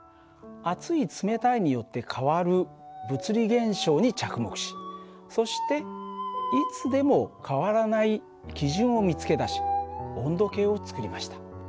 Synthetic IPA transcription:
at͡sɨit͡sɨme̞t̪aiɲ̟ijo̞t̪ːe̞kʰaβaɾɯ̟bɯ̟t͡sɨɾʲiɡẽ̞ɰ̃ɕo̞ːɲ̟it͡ɕakɯ̟mo̞kɯ̟̥ɕi̥ | so̞ɕi̥t̪e̞ | it͡sɨd̪e̞mo̞kʰaβaɾanai | kʲiʑɨ̃ɰ̃o̞mʲit͡sɨ̥ke̞d̪aɕi̥õ̞nd̪o̞ke̞ːo̞t͡sɨ̥kɯ̟ɾʲimaɕi̥t̪ḁ

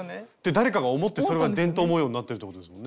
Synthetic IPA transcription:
d̪̥ed̪aɾe̞kaɡao̞mo̞t̪ːe̞soɾe̞ɡad̪ẽ̞nt̪o̞ːmoːjo̞ːɲ̟inat̪ːeɾɯ̟t̪ːekot̪oesɨ̥mõ̞nːe

